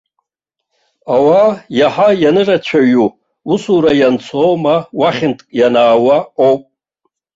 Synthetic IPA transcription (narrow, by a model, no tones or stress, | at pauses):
awajaħajanɨrat͡ʃʷʰaɥu | usuɾajant͡sʷʰowmawaχʲɪntʼkʼjanaːwaowpʼ